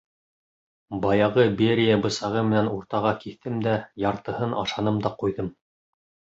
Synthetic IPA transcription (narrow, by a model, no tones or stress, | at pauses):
bɑjɑʁɤbeɾʲijabɤ̆sɑʁɤmɘ̆nænuɾt̪ɑʁɑkiθt̪ːɘmd̪æjɑɾt̪ɤ̆hɤnʔɑʃɑnɤmd̪ɑqujðɤm